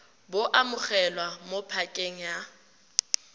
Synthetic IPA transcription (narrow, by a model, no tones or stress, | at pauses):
boʔamʊχɛlwamopʰakʼeŋ̩ja